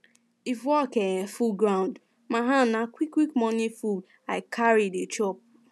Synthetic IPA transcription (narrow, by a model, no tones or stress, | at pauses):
ifwɔkɛfuɡɹãʊ̃nd | maɦãnakwikːwikmɔnifu | aɪkʰaɹidet͡ʃɔp̚